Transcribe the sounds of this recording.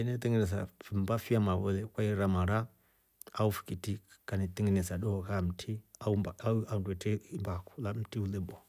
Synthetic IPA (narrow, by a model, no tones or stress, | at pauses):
ɛnet̪iŋɡinɛs̬a̰fimbafiamawɔlɛkʷwaiɾamaɾa | a̰ufi̥kitikanit̪iŋɡinɛsaɗɔkam̩tʰiaaandɛtɛmbaku̥lam̩tiulebɔ